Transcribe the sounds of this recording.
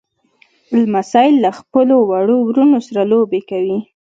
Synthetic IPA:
lamasɑjɪlːaxpəlowaɽowɾunosaɾalobekawi

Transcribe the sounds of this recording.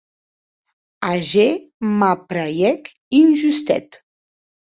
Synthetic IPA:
aʒemapɾajɛk | inʒyst̪ɛ̰t̪

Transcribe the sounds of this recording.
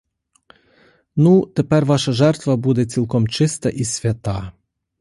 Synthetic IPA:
nut̪ɛpɛɾʋaʃaʒɛɾt̪vabud̪ɛt̪silˠkɔmt͡ʃɪst̪aʔisʋʲɛt̪a

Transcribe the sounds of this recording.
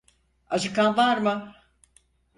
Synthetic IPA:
ad͡ʒɯkanlˠaɾmɯ

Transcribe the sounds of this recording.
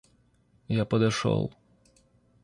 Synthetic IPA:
japəd̪ɐʂɔ̰lˠ

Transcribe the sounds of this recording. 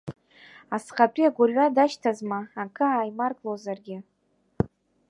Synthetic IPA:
asqatʼiaɡʷʊrɥʷadaʃtʰazmaːkʰʼɨaːjmarkʼlozarɡʲɪ

